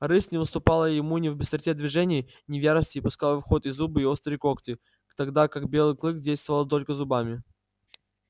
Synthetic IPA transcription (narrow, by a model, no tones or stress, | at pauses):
rɨsnʲɪvɨst̪ʊpalˠəjɪmunʲɪvbʲɪst̪ɾʲtʲed̪vʲɪʐɛnʲɪj | nʲɪvʲjaɾəsʲtʲɪːpʊskalˠfxo̞t̪ɪzːubɨːo̞st̪ɾəɪko̞ktʲɪ | t̪ɐɡd̪akaɡ̚bʲe̞lˠɨklˠɨk̚dʲejst̪vəvəlˠt̪̬o̞lʲkəzʊbamʲɪ